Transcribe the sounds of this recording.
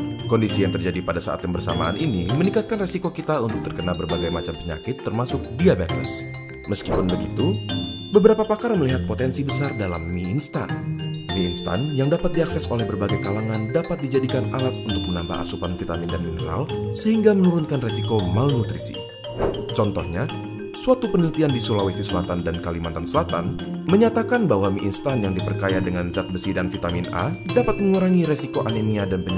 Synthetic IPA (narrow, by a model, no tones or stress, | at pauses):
kɔndisijaŋt̪ərd͡ʒadipadasa̰ʔa̰t̪̚jambərsa̰ma̰a̰nʔinimənikat̪̚kanresikokit̪aunt̪ʊk̚t̪ərkənabərbaɡajmat͡ʃampəɲa̰kɪt̪ːərmasʊk̚diabɛt̪ə̰s | məskipʊnbəɡit̪u | bəbəɾapapakaɾaməliɦat̪̚pot̪ɛnsibəsardala̰mːiːnst̪a̰nmiːnst̪a̰njaŋdapat̪̚diaksɛsolɛhbərbaɡajkalaŋandapat̪̚did͡ʒadikanalat̪̚unt̪ʊk̚mənamba̰ʔa̰supanfit̪amindaniməɾa̰lsəɦiŋɡamənuɾunkanresikomalnut̪ɾisḭ | t͡ʃɔnt̪ɔhɲa | suat̪upənəlit̪iandisulawesisəlat̪andankalimant̪ansəlat̪a̰n | məɲat̪akanbahwamiʔinst̪anjaŋdipərkajadəŋanzat̪̚bəsidanfit̪amina̰dapat̪̚məŋuɾaŋiɾesikoʔaneniadanpəɲ